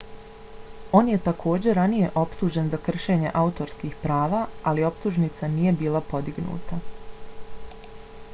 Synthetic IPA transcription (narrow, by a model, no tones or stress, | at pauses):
o̞ːnje̞t̪akʰo̞ːd͡ʑe̞ɾanije̞ʔo̞pt̪uːʒe̞nzakr̩ʃe̞ːɲe̞̰ʔaut̪o̞ɾskiːxpɾaːʋaːalio̞pt̪uʒnit̪sanije̞biːlˠapo̞d̪iɡnṵːt̪a